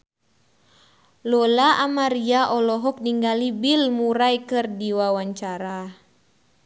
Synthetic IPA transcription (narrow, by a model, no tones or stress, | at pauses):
lɔlaʔamaɾiaʔɔlɔɦɔk̚niŋɡalibilmuɾajkɨrdiwawaɲt͡ʃaɾa